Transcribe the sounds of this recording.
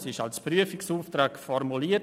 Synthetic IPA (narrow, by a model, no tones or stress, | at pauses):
sɪʃalspɾyəfɪksuːftɾaːkfɔɾmuliːə